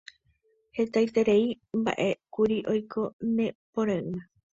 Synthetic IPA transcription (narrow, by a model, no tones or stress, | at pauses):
he̞t̪ajt̪e̞ɾe̞i | mba̰ʔe̞kuɾiʔo̞jkʰo̞nẽ̞põɾãɨa